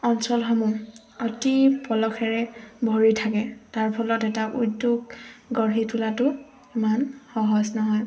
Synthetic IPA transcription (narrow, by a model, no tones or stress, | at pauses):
ɔnsɔlɦɔmu | ɔtipɔlɔxɛɹɛbʱɔɹitʰakɛtaɹpʰɔlɔtɛtaʔuduɡɡɔɹɦitʰulatʊ | imanxɔɦɔsnɔɦɔj